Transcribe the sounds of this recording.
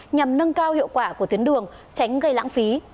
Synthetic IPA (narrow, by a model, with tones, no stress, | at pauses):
ɲa˨˩mnə˧nkaː˧whḭ˧˨wkwaː˧˩ku˧˩t̪i˨˦ənɗɨ˨˩əŋ | t͡ɕa˨˦ŋ̟ɣə˧jla̰ː˧˥ŋfi˨˦